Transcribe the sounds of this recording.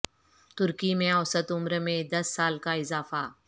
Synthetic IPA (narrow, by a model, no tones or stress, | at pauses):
t̪ʊɾkimẽɔsət̪ʊmɾmẽd̪ɐsːaːlkaɪzaːfaː